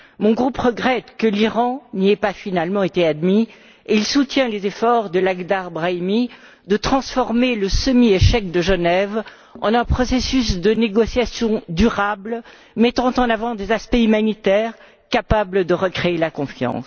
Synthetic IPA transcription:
mɔ̃ɡʁupʁəɡʁɛt̪kəliʁɑ̃niɛpafinalmɑ̃et̪ead̪mi | eilsut̪jɛ̃lezefɔʁd̪əlaɡd̪aʁbʁaimi | d̪ət̪χɑ̃sfɔʁmeləsəmieʃɛk̚d̪əʒənɛv | ɑ̰̃nɛ̃pχɔsesysd̪əneɡɔsjasjɔ̃d̪yʁabl | mɛt̪ɑ̃t̪ɑ̃navɑ̃d̪ezaspɛymanit̪ɛːʁ | kapabləd̪əʁəkχeelakɔ̃fjɑ̰̃s

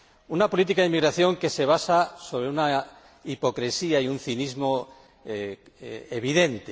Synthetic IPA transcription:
unapo̞lit̪̬ikaðemiɣɾaθjo̞ŋke̞se̞β̞asaso̞β̞ɾeuna | ipo̞kɾesiaiun̟θinizmo̞ | eβiðẽ̞nt̪e

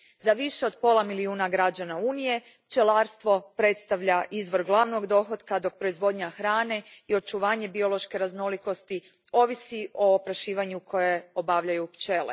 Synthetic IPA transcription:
zaʋiʃe̞o̞d̪po̞lˠamiliuːnaɡɾad͡ʑanauːnije̞ | pt͡ʃe̞laːɾst̪ʋo̞pɾe̞t̪st̪aʋʎaʔizʋo̞ɾɡlˠaʋno̞ɡd̪o̞xod̪kad̪o̞k̚pɾo̞izʋo̞d̪ɲaxɾaːne̞io̞t͡ʃuʋaːɲe̞bio̞lˠo̞ʃke̞ɾazno̞liko̞st̪i | o̞ʋisiʔo̞ːpɾaʃiːʋaɲukʰo̞jeo̞baʋʎajupt͡ʃe̞lḛ

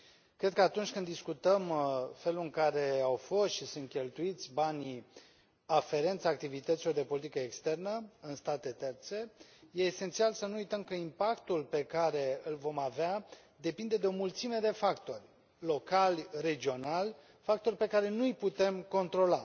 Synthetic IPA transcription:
kɾe̞d̪̚kəat̪unt͡ʃʲkɨnd̪ːiskut̪əmfe̞luɨŋkaɾe̞awfo̞st̪ʃisunt̪̚kʲe̞lt̪uit̪sʲbanʲi | afe̞ɾe̞nt̪saːk̚t̪ivit̪ət̪silo̞rd̪e̞po̞lit̪ikəekst̪e̞rnəɨnst̪at̪e̞t̪e̞rt̪se̞je̞ːse̞nt̪sialsənuujt̪əmkəimpakt̪ulpe̞kaɾe̞ɨlvo̞mavea | d̪e̞pind̪e̞d̪e̞o̞mult̪sime̞d̪e̞fakt̪o̞rʲ | lo̞kalʲre̞d͡ʒio̞nalʲ | fak̚t̪o̞rʲpe̞kaɾe̞nujput̪e̞mko̞nt̪ɾo̞la

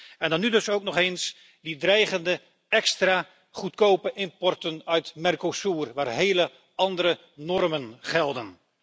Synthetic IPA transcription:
ɛndɑnːydɵsowk̚nɔχens | didrɛjχəndə | ɛkstraː | χutkowpəʔɪmpɔrtənœɥtmɛrkosuːrʋaːrɦeːlə | ɑndəɾə | nɔrmənχɛlˠdən

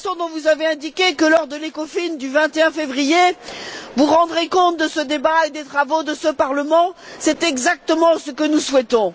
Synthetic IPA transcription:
sjɔ̃d̪ɔ̃vuzaveɛ̃d̪ikʲekəlɔʁd̪əlekɔfind̪yvɛ̃t̪eɛ̃fevʁije | vuʁɑ̃d̪ʁekɔ̃t̪̚d̪əsəd̪ebaed̪et̪χavod̪əsəpaʁləmɑ̃sɛt̪ɛɡzak̚t̪əmɑ̃səkənuswɛt̪ɔ̃

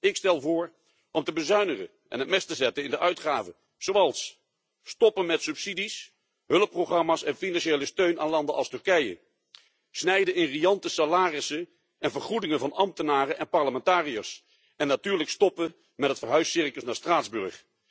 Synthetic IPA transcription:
ɪkstɛlˠvʊːɹ | ʔɔmtəbəzœɥnəχə̰ | ʔɛ̰nɦət̚mɪstəzɛtənɪndəʔœɥtχaːvə | z̥owɑlˠsː | tɔpənmɛtsɵpsidis | ɦɵləpːroχɑmaːsɛnfinɑnʃejləstøɥnaːnlɑndəʔɑlˠstɵɹkɛjə̰ | snɛjdənɪnrijɑntəsalaːrɪsə | ɛnvəɹχudɪŋənvɑnɑmtənaːrənʔɛnpɑɹləmɛntaːrijas | ɛnːatyːɹləkstɔpə | mɛtɦətfəɹɦœɥsɪrkəlˠsnaːɹstraːdzbɵɹχ

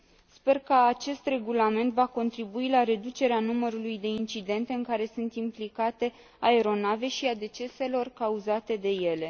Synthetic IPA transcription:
spe̞rkəat͡ʃe̞st̪re̞ɡulame̞nt̪vako̞nt̪ɾibuilaɾe̞d̪ut͡ʃe̞ɾeanuməɾulujd̪e̞int͡ʃid̪e̞nt̪e̞ɨŋkaɾe̞sunt̪implikat̪e̞ | aeɾo̞nave̞ʃiad̪e̞t͡ʃe̞se̞lo̞rkauzat̪e̞d̪e̞je̞le̞

